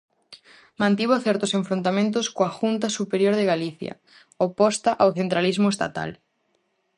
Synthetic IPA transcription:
mãnt̪iβoθɛɾt̪oseɱfɾõnt̪amẽnt̪̬ʊskoaxunt̪asupeɾjoɾðeɣaliθja̰ | opɔst̪aʔawθent̪ɾalizmoʊest̪a̰t̪a̰l

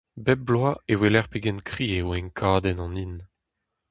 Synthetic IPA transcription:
bɛb̚blwaewelɛʁpeɡɛnkχiːewɛ̃ŋkʰaːd̪ɛnɑ̃nin

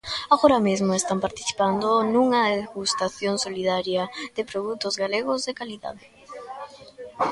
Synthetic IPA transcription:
aɣoɾɐmezmoest̪ampaɾt̪i̥θi̥pand̪onuŋɐeɣust̪aθjoŋsoliðaɾjɐd̪̥epɾoðut̪ozɣaleɣ̞ozðekaliða̰ðe

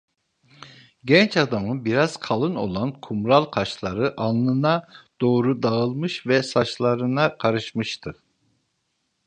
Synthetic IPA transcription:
ɟɛnt͡ʃad̪amɯbiɾaz̥kʰalˠɯno̞̰lˠankʰumɾalˠkʰaʃlˠaɾɯʔanːˠɯnad̪̥o̞ːɾud̪aɯlˠmɯʃvɛsaʃlˠaɾɯnakʰaɾɯʃmɯʃt̪ʰɯ

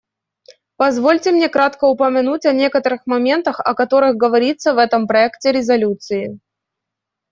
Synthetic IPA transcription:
pɐzvo̞lʲtʲɪmnʲe̞kɾat̪kəʊpəmʲɪnutʲɐnʲe̞kət̪əɾɨxmɐmʲe̞nt̪əxɐ̰kɐt̪o̞ɾɨxɡəvɐɾʲit̪sːəvɛt̪əmpɾɐɛktʲɪɾʲɪzɐlʲut̪sɨɪ

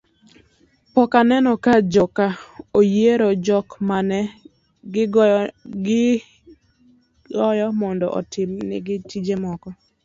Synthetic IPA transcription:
pɔkanɛnɔkad͡ʒɔkaojeɾod͡ʒɔkmanɛ | ɡɪɡɡɪ | ɡɔjɔmɔndɔ̰ʔɔ̰tɪmnɪ̰ɡɪtid͡ʒemɔkɔ

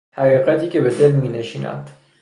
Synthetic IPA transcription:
hæqiqæt̪iːkʲebed̪elmineʃiːna̰d̪̥

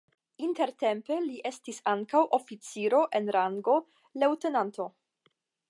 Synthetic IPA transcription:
inte̞ɾte̞mpe̞liʔe̞stisaŋkawʔo̞fit͡siɾo̞ʔe̞nɾaŋɡo̞ | lewte̞nanto̞

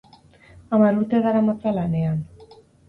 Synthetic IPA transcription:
amaɾut̪eðaɾamat͡salanean

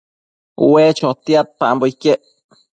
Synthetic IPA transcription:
ṵwet͡ʃot̪iat̪̚pamboikeʔ

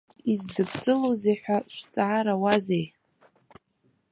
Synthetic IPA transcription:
izdɨpʰsɨlozeħʷᶣaʃʷᶣt͡sʼʕaɾawazej

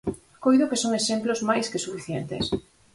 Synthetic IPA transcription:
kojðokesoŋeʃemplozmajskesufiθjent̪ɪ̰s

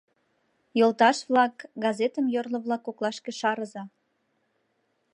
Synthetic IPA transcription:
jolt̪ɑʃβlɑkɡɑzet̪əmjorlŏβlɑkːoklɑʃkĕʃɑɾəzɑ

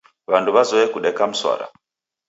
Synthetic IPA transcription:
βanduβazɔɛkuɗɛkam̩swa̰ɾa̰

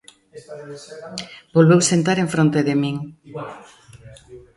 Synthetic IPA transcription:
bolβewsent̪aɾeɱfɾõnt̪eðemiŋ

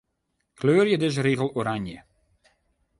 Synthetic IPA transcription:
kløːrjədɪz̬əɾiːɣəlˠoɾaɲjə̰

